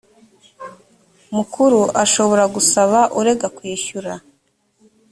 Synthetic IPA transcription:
mukuɾuʔaʃo̞βo̞ɾaɡusaβaʔuɾe̞ɡakwiːʃuɾa

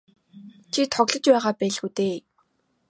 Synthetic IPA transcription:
t͡ɕʰit̪ʰɔɣɮɞ̆t͡ɕpæːʁaːpæːɮɣuːt̪eː

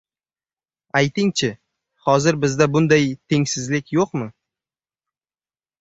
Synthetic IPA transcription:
ajt̪ʰɪŋt͡ʃʰɪ | hɒzɪɾbɪzd̪abʊnd̪ajt̪ʰe̞ŋsɪzlɪkʲjoqmɪ

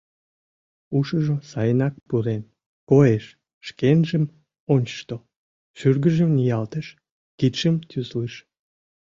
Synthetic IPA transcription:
uʃəʒosɑjənɑk̚puɾen | koeʃ | ʃkenʒəm | onʲt͡ɕə̥ʃt̪o | ʃyrɡəʒəmnijɑlt̪əʃ | kit̪ʃəmt̪ʲysliʃ

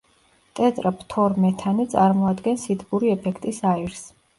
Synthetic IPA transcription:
t̪ʼɛt̪ʼɾapt̪ʰɔɾmɛt̪ʰanit̪sʼaɾmɔad̪ɡɛnsid̪ʰbuɾiɛpʰɛkʰt̪ʼisaiɾs

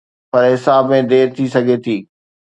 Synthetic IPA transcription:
pɐɾɦɪsaːbmẽd̪eːɾt̪ʰisɐɡʱet̪ʰiː

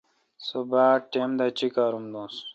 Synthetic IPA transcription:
sobaːʈemd̪at͡ɕikaːɾumd̪õːs

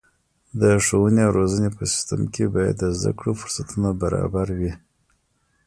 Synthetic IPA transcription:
d̪əʂowəneawɾozənepəsɪ̥st̪əmkʰebɑja̰d̪ːəzd̪a̰kɽofʊ̥ɾsat̪unabaɾɑ̰baɾwi

